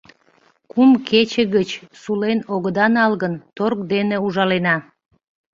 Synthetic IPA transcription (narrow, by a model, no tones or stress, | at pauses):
kumkʰet͡ɕəɣət͡ɕsulenoɣəd̪ɑnɑlɣənt̪orkd̪eneuʒɑlenɑ